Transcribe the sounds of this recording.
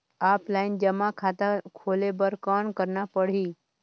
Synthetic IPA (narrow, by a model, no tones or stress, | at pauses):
aːplaːɪnd͡ʒəmãkʰaːt̪akʰoːlebəɾkankəɾnapəɽ̤iː